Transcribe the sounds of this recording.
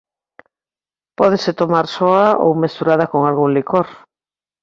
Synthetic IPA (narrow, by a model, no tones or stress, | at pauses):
pɔðeset̪omaɾsɔao̰wmesuɾaðakoŋalɣuŋlikoɾ